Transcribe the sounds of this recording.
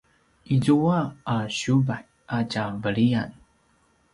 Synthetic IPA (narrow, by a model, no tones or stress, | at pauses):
izuaaɕubaħ | aɟavəɭian